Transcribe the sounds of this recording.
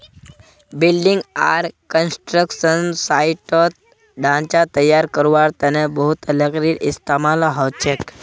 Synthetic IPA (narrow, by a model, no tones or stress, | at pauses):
bilɖiŋɡaɾkənsʈɾəkʃənsaiʈɔt̪̚ | ɖãnt͡ɕat̪əjːaɾkəɾʋaɾt̪anẽbəɦut̪ələɡɾiːɾʔist̪amalɦɔt͡ʃek